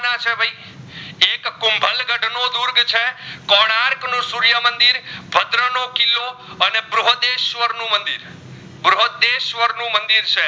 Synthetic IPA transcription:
nãt͡ʃʰebʱai | ekːʊmbʱəlɡəɖʱnod̪uɾɡt͡ʃʰekɔɽ̃aɾknũsuɾjəmənd̪iɾbʱəd̪ɾənokilːoənebɾoɦd̪eʃʋəɾnũmənd̪ḭɾ | bɾoɦd̪eʃʋəɾnũmənd̪iɾt͡ʃʰe

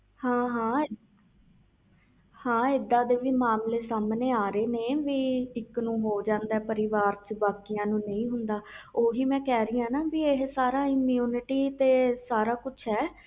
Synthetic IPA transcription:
hãːɦãː | hãːɪd̪ːãːd̪eːʋiːmaːmleːsaːmneːaːɾeːneːʋiːɪknũːɦoːd͡ʒãːnd̪ɛːpəɾɪʋaːɾt͡ʃbaːkijãːnũːnə̃ĩːɦʊnd̪aːoːɦiːmɛ̃ːkɛːɾəiːãːnaːbiːeɦsaːɾaːɪmjuːnɪʈiːt̪eːsaːɾaːkʊt͡ʃʰɦɛː

